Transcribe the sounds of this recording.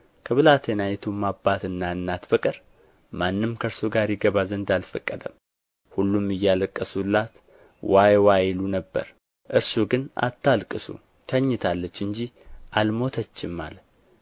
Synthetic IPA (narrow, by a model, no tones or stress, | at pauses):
kʰəβɨlat̪ʰenajɛt̪ʰumːabːat̪ɨnːaɨnːat̪bəkʼɨɾ | manːɨmkʰəɾsuɡaɾjɪɡəβazənd̪alfəkʼːəd̪əm | hulːumɨjːaləkʼːəsulːat̪ | wajwajlunəbːə̰ɾ | ʔɨɾsuɡɨnʔa̰t̪ʰːalkʼɨsṵ | t̪ʰəɲːɪt̪ʰalːət͡ʃːɨɲd͡ʒiʔalmo̞t̪ʰət͡ʃːɪmːa̰l